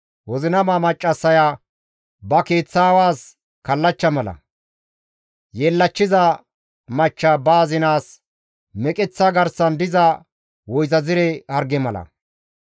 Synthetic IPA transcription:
wɔzɪnɐmaːmɐt͡ʃʼːɐsːɐja | bɐke̞ːt͡sːaːwaːs | kɐlːɐt͡ʃːɐmɐlɐ̰ | jeːlːɐt͡ʃːɪzɐ | mɐt͡ʃːɐbaːzɪnaːs | mɛkʼɛt͡sːɐɡɐɾsɐnd̪ɪzɐ | wɔjzɐzɪɾɛhɐɾɡɛmɐlɐ̰

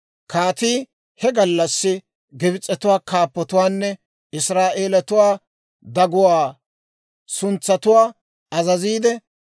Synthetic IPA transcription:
kaːt̪iː | hɛɡɐlːɐsːɪ | ɡɪbɪt͡sʼːɛt̪ʊwaːkaːpːɔt̪ʊwaːnːɛ | ɪsɾaːʔeːlɐt̪ʊwaː | d̪ɐɡʊwaː | sʊnt͡sːɐt̪ʊwaː | ɐzɐziːd̪ɛ

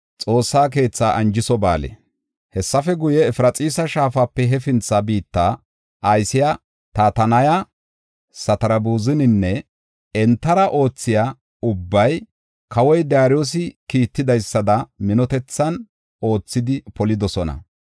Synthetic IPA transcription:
t͡sʼo̞ːsːaːk̬e̞ːt͡sːaːʔɐnd͡ʒɪsɔba̰ːlḛ | hɛsːɐfɛɡʊjɛːfɪɾɐt͡sʼiːsɐʃaːfaːpːɛɦɛfɪnt͡sːaːbiːt̪ːaː | ʔɐjsɪja | t̪aːt̪ɐnɐja | sɐt̪ɐɾɐbuːzɪnɪnːɛ | ɛnt̪ːɐɾɐʔo̞ːt͡sːɪjaː | ʊbːɐj | kɐwɔjd̪ɪjaːɾjoːs̬ɪkiːt̪ːɪd̪ɐjsːɐd̪ɐmɪnɔt̪ɛt͡sːɐn | o̞ːt͡sːɪd̪ɪpɔlɪd̪ɔsɔnɐ̰

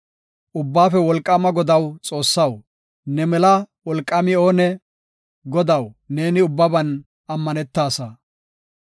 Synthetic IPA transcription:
ʔʊbːaːfɛwɔlkʼːɐmɐɡɔd̪ɐwt͡sʼo̞ːsːɐw | nɛmɛlɐwɔlkʼːɐmɪoːnɛ | ɡɔd̪ɐwne̞ːnɪʊbːɐbɐn | ʔɐmːɐnɛt̪ːaːsɐ

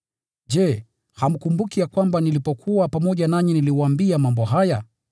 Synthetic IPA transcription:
d͡ʒɛ | ham̩kumbukijakwambanilipɔkʰuwapamɔʄanaɲiniliwaambiamambɔɦaja

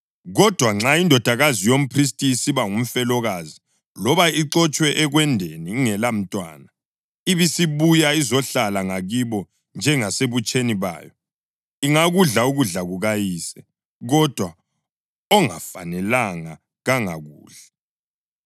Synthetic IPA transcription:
ɣɔd̥ʱwaŋ͡ǁaindʱɔd̥ʱaɣazijom̩pʰris̬tʼiːsiβaŋum̩fɛlɔɣazi | lɔβaiǁɔt͡ʃʼwɛʔɛɣwɛndʱeniŋɛlam̩tʼwa̰ːna | iβisiβujaizɔɬalaŋaɣiβɔ | nd͡ʒʱɛŋaseβut͡ʃʼeniβa̰ːjɔ | iŋaɣuɮauɣuɮaɣuɣajiːsɛ | ɣɔd̥ʱwa | ɔŋa̰fa̰nɛlaŋa | ɣaŋa̰ɣuːɮɛ

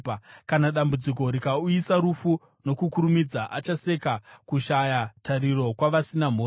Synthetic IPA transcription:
kanaɗambud͡zik̬o̞ɾikauisaɾufu | no̞kukuɾumid͡zaʔat͡ʃase̞kakuʃajatariɾo̞kwaʋasinam̤oː

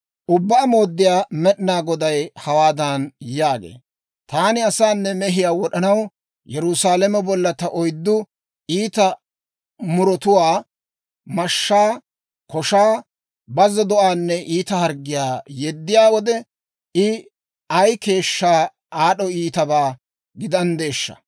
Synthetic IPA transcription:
ʔʊbːaːmo̞ːd̪ːɪjaːmɛɗɪnaːɡɔd̪ɐjhɐwaːd̪ɐnjaːɡḛː | t̪aːnɪɐsaːnːɛmɛɦɪjaːwɔɗɐnɐw | jɛɾʊsaːlɛmɛbɔlːɐt̪ɐʔɔjd̪ːʊ | ʔiːt̪ɐ | mʊɾɔt̪ʊwaː | mɐʃːaː | kɔʃaː | bɐzɔd̪ɔʔaːnːɛʔiːt̪ɐhɐɾɡːɪjaːjɛd̪ːɪjaːwɔd̪ɛ | ɪ | ɐjke̞ːʃːaː | aːɗɔiːt̪ɐbaː | ɡɪd̪ɐnd̪e̞ːʃːɐ̰

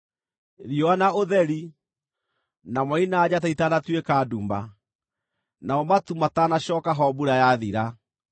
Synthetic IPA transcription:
ɾiɔanaoðɛɾi | namwainaːd͡ʑataitanatwekaduːmba̰ | naɔmatumatanaɕɔkaɦɔbuɾajaðiɾa

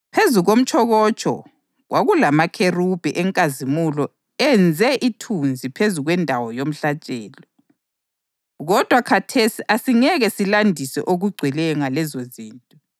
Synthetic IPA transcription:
pʰezuɣom̩t͡ʃʰʼɔɣɔt͡ʃʼɔ̰ | ɣwaɣulamakʰerub̥ʱɛʔɛŋkʼazimulɔ | ɛnd͡zʱɛʔitʰund͡zʱipʰezuɣwɛndʱawɔjom̩ɬat͡ʃʼɛːlɔ | ɣɔd̥ʱwakʰatʰesiʔasiŋɛɣɛsilandʱisɛ̰ʔoɣuɡ͡ǀʱwilɛŋalɛzoziːntʼɔ

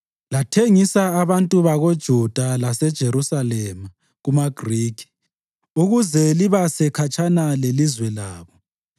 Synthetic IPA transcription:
latʰeŋisaːβantʼuβaɣod̥ʒ̥ʱud̥ʱalasɛd̥ʒ̥ʱeɾusalɛma | ɣumaɡ̥ʱriːkʰi̥ | uɣuzɛliβasɛkʰat͡ʃʰʼanalelizwɛlaːβɔ

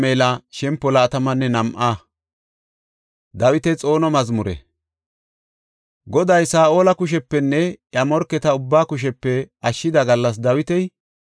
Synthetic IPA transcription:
meːlɐʃɛmpːɔlɐːt̪ɐmɐnːɛnɐmʔaː | d̪ɐwɪt̪ɛt͡sʼo̞ːnɔmɐzmʊɾɛ̰ | ɡɔd̪ɐjsaːʔo̞ːlɐkʊʃ̬ɛpːɛnːɛʔjɐmɔɾkːɛt̪ɐʊbːaːkʊʃ̬ɛpːɛʔɐʃːɪd̪ɐɡɐlːɐs̬d̪ɐwɪt̪ɛj

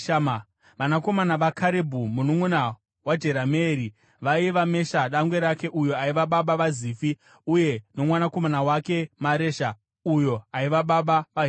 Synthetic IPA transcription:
m | ʋanako̞manaʋakʰaɾebʱumunuŋuna | wad͡ʒeɾameɾi | ʋaiʋame̞ʃaɗaŋɡwe̞ɾake̞ʔujo̞aiʋaɓaɓaʋaziːfi | uje̞no̞mwanako̞manawake̞maɾe̞ːʃa | ujo̞aiʋaɓaɓaʋaɦ

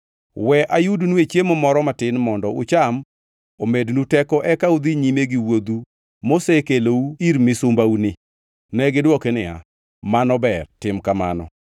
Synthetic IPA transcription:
wɛʔajudnuet͡ʃjemɔmɔɾɔmatɪnmɔndɔʊ̰t͡ʃam | omednutɛkɔʔɛkaud̪iɲimeɡiwod̪u | mosekelouiɾmɪsʊmbaunɪ | nɛɡɪdwɔkenɪa̰ | manɔbɛrtɪmkama̰nɔ̰

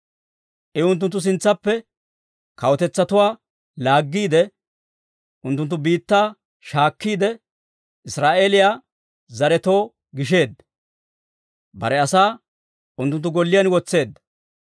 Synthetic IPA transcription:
ʔɪʊnt̪̬ːʊnt̪ːʊs̬ɪnt͡sːɐpːɛ | kɐwɔt̪ɛt͡sːɐt̪ʊwaː | laːɡːiːd̪ɛ | ʔʊnt̪ːʊnt̪̬ːʊbiːt̪ːaː | ʃaːkːiːd̪ɛ | ʔɪsɾaːʔeːlɪjaː | zɐɾɛt̪o̞ː | ɡɪʃe̞ːd̪ː | bɐ̰ɾɛɐsaː | ʊnt̪ːʊnt̪ːʊɡɔlːɪjɐnwɔt͡sːe̞ːd̪ːɐ

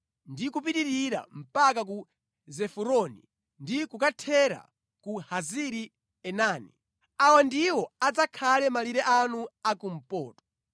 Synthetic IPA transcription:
ndikup̬itiɾiɾa̰m̩pakak̬u | zɛfuɾɔnḭ | ndikukatʰɛɾa̰ | kuhaziɾi | ɛnaːnḭ | awandiwɔad͡zakʰalɛmaliɾɛʔanuakum̩pɔːtɔ̥

